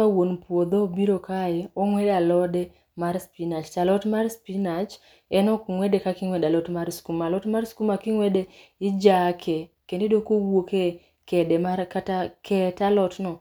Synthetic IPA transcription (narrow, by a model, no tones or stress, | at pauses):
awonpwod̪obiɾokajɛɔŋwɛdalɔdɛ | maɾspinat͡ʃt͡ʃalɔtmarspinat͡ʃ | ɛnɔkŋwɛdekakɪŋwɛdalɔtmaɾskumalɔtmarskumakiŋwɛdeɪd͡ʒakʰe | kendedokowoke | kɛdɛmarkatakɛtalɔtnɔ